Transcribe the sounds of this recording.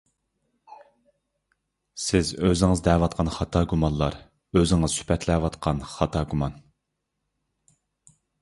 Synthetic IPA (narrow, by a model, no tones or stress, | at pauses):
sɪzøzɪŋɨzd̪ɛwɑt̪̚qʰɑnχɑt̪ʰɑːɡumɑnlˠɑ̰ɾ | øzɪŋɨz̥sy̥pʰɛt̪ʰlɛwɑt̪qʰɑnχɑt̪ʰɑɡumɑn